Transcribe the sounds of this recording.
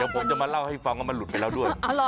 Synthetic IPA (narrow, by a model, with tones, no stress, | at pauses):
ɛː˨˦wpʰo˨˦mt͡ɕa˨˩maː˧la˥˩wha˥˩jfa˧ŋkaː˥˩ma˧nlu˨˩t̪̚pa˧jlaː˥˩du˥˩əjl